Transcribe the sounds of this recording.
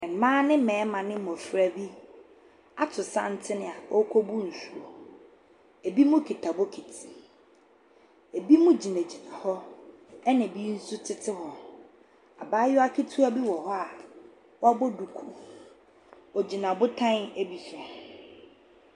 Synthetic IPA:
ɛ˨m̩˨mãː˦nɪ̃˦mɛ̃ː˨˦mã˨nɪ̃˦mɔ̃˨fɾa˦bi˦ | a˨tʰʊ˨sã̰˦n̩˦tʰɪ˦nɪ̃˨a˨ɔ˦kʷʰɔ˦bu˦n̩˨su˨ɾo˨ | e˨bi˦mʊ̃˦kʰi˨tʰa˨bɔ˦kʰi˨tʰi˨ | e˨bi˦mũ˦d͡ʑi˨næ̃˨d͡ʑi˨nã˨hɔ˦ɛ˦nɪ̃˨bi˦n̩˦su˦tʰɪ˦tʰɪ˦ɦɔ˨ | a˨baː˦jʊ˦a˦kʰi˦tʰu˦a˦bi˦wɔ˨hɔ˦a˨ | wɔ˦a˦bɔ˦du˨kʰu˨ | ɔ˨d͡ʑi˨nã˨bʊ˦tʰã˦ne˦bi˨sa˨

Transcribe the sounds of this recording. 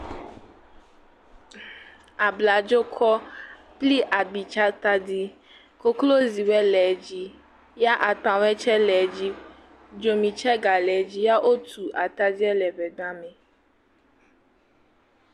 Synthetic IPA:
a˨bla˨d͡ʒo˦kʰɔ˦ | pli˦ʔa˨ɡ͡bi˨t͡ʃa˦t̪a˦di˦ | ko˦klo˦zi˨wɛ˦lɛ˨d͡ʑi˦ | ja˦ʔa˨t̪ã˨wɛ˦t͡ʃɛ˦lɛ˨d͡ʑi˦ | d͡ʒo˨mĩ˨t͡ʃɛ˦ɡa˨lɛ˨d͡ʑi˦ja˦ʔo˦t̪ʰu˨ʔa˨t̪a˦di˦ɛ˦lɛ˨vɛ˨ɡ͡ba˦mɛ̃˨

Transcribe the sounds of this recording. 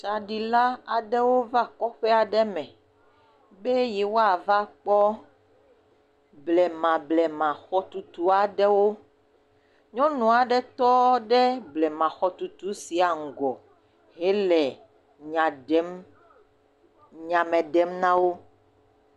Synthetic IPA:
t͡ʃa˨ɖi˨la˦a˨ɖe˦wo˦va˦kɔ˦ɸe˦a˨ɖɛ˦mɛ̃˨ | be˦jɛ˨wo˦a˨va˦k͡pɔ˦ | blɛ˨mã˨blɛ˨mã˨xɔ˦t̪u˨t̪u˦a˨ɖɛ˦wo˦ | ɲɔ̃˦nũ˨a˨ɖɛ˦t̪ɔ˦ɖe˦blɛ˨mã˨xɔ˦t̪u˨t̪u˨˦si˨a˨ŋ̩˨ɡɔ˨ | ɦe˦lɛ˨ | ɲã˨ɖɛ˦m | ɲã˨mɛ̃˨ɖɛ˦mnã˦wo˦

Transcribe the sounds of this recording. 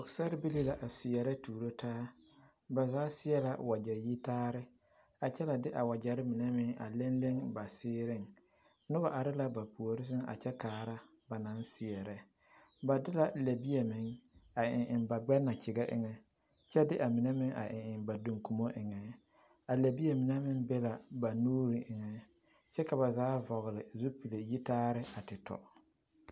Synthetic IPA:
ɔ˨ksa˦ɾɪ˦bi˦li˦la˨ʔa˨sɪ˨ɛ˨ɾɛ˦tuː˨ɾo˦tʰaː˦ | ba˨zaː˨˦sɪ˦jɛ˦la˨wa˨d͡ʒɛ˨ji˦taː˦ɾɪ˦ | a˨t͡ʃɛ˦la˨dɪ˦ʔa˨wa˨d͡ʒa˨ɾɪ˦mɪ˨nɛ˦mɪ˦ŋa̰˨le˦nle˦ŋba˨sɪː˦ɾɪ˦˨ŋ | nʊ˦ba˨ʔa˨ɾɪ˦la˨ba˨pu˨o˨ɾɪ˦s̬ɪ˦ŋa̰˨t͡ʃɛ˦kaː˨˦ɾa˦ | ba˨na˦nsɪ˨ɛ˨ɾɛ˦ | ba˨dɪ˦la˨le˨bi˦e˨mɪ˨˦ŋa˨ɪ˨ŋʔɪ˨nba˨ɡ͡bɛ˦na˨t͡ʃɪ˨ɡɛ˦ʔɪ̰˨ŋɛ˦ | t͡ʃɛ˦dɪ˦ʔa˨mɪ˨nɛ˦mɪ˦ŋʔa̰˨ʔɪ˨ɪ˨nba˨du˨ŋku˨mo˦ʔɪ˨ŋɛ˨ | a˨le˨bi˦e˨mɪ˨nɛ˦mɪ˦ŋbɛ˦la˨ba˨nuː˦ɾi˨ʔɪ˨ŋɛ˨ | t͡ʃɛ˦ka˨βa˨zaː˨˦vɔ˨ɣɪ˨lɪ˨zu˦pi˨le˨ji˦taː˦ɾɪ˦a˨tɪ˨tʰɔ̰˨

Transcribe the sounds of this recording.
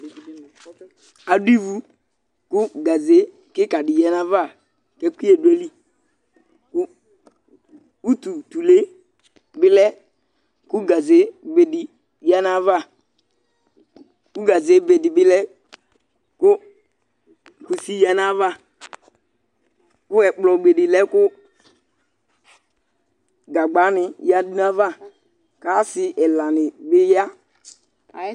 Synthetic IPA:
a˨di˦vu˦ | ku˦ɡa˨ze˨˦ | kɪ˦ka˨di˨ja˨na˦va˦˨ | kɛ˦ki˦e˨dwe˦li˦ | ku˦ | u˦tu˨tu˨le˦ | bɪ˦lɛ˦ | ku˦ɡa˨ze˨˦ɡ͡be˨di˨ | ja˦na˦va˦˨ | ku˦ɡa˨ze˨˦be˨di˨bɪ˦lɛ˦ | kʊ˦ | ku˨si˦ja˨na˦va˦˨ | kʊ˦ɛ˨k͡plɔ˨ɡ͡be˨di˨lɛ˦kʊ˦ | ɡa˨ɡ͡ba˨˦nɪ˨ja˦di˦na˦va˦˨ | ka˨˦sɪ˦ʔɛ˨lã˨nɪ˨bɪ˦ja˦

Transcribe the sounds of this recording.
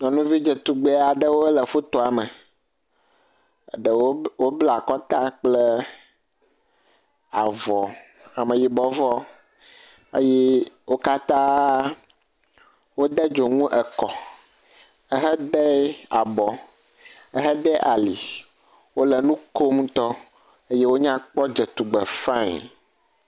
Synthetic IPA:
ɲɔ̃˨nũ˦vi˦d͡ʒə˨t̪u˨ɡ͡be˦a˨ɖə˦wo˦lə˨fo˦t̪o˨a˨mə˨ | ɖə˨wo˦wo˦bla˦˨a˨kɔ˦t̪a˦k͡plə˦ | a˨vɔ˨ | a˨mə̃˨ji˨bɔ˨vɔ˦ | ḛ˦jɛ˦ | wo˦ka˦t̪ã˦ | wo˦d̪ə˦d͡ʒo˨ŋũ˦ʔə˨kɔ˨ | ə˦ɦə˦d̪ɛ˦a̰˨bɔ˨ | ə˦ɦə˦ɖ̪ɛ˦ʔa˨li˨ | wo˦lə˨nũ˦ko˦m˦t̪ɔ˦ | ə˦je˦wo˦ɲã˦k͡pɔ˦d͡ʒə˨t̪u˨ɡ͡bɛ˨fã˦ɲ̰˨

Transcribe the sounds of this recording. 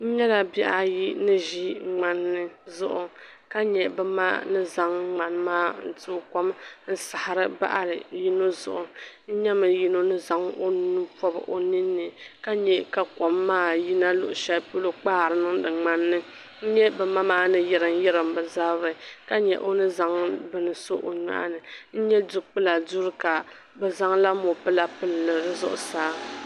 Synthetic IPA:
n̩˦ɲɛ˦la˨bi˦ʔa˨ji˦nɨ˦ʒi˦ŋ͡ma˦nːɨ˦zʊ˦ʔʊ˨ | ka˦ɲɛ˨bɛ˦ma̰˦nɨ˦za˦ŋ˦ŋ͡ma˨nmaː˦n̩˨tu˦ko˦mn̩˦sa˨ha˨ɾɨ˦ba̰˦ʔa˨lɨ˨ji˦no˦zʊ̰˨ʔʊ˨n̩˦ɲa˦mɨ˨ji˦no˦nɨ˦za˦ŋo˦nu˦pɔ˦bɨ̰˨ʔo˨ni˦nːɨ˨ka˦ɲɛ˦ka˨kɔ˨mːaː˦˨ji˦na˦lʊ̰˨ʔʊ˨ʃɛ˦lpu˦lo˦k͡paː˦˨ɾɨ˦nɨ˦ŋdɨ˨ŋ͡ma˦nːɨ˦ | n̩˦ɲɛ˦bɛ˨ma˦maː˦nɨ˦jɪ˨ɾɨ˨n˦jɪ˦ɾɨ˨mbɨ˨za˦bɨ˨ka˦ɲɛ̰˨ʔo˦nɨ˦za˦ŋbɨ˦nɨ˨so˦ʔo˨ɲa̰˦ʔnɨ˨n̩˦ɲɛ˦du˨k͡pɨ˦la˨du˦ɾɨ˦ka˨ | bɛ˨za˦ŋla˦mo˨pɨ˦la˦pɨ˦llɨ˨ɾɨ˦zʊ̰˦ʔʊ̰˨saː˨˦

